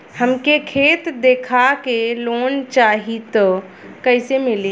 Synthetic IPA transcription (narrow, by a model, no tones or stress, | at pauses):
həmkekʰet̪d̪ekʰakelont͡ʃaɦit̪ɔ | kəjsemili